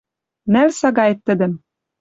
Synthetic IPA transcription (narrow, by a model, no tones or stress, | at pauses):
nælsɑɡɑjt̪ːɘ̆d̪ɘ̆m